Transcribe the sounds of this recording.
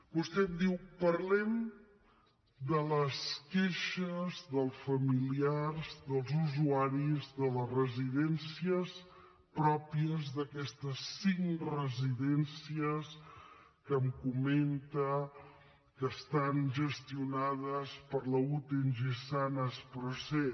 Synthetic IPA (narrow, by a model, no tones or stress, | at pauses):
bust̪ɛmd̪iwpəɾlɛm | d̪ələskeʃəzðəlˠsfəmiliarzðəlˠzuzuaɾizðələrəziðɛnsiəs | pɾɔpiəzðəkɛst̪əsːiŋrəziðɛnsiəs | kəmkument̪ə | kəst̪anʒəst̪iunaðəspəɾləut̪enʒesanəspɾuse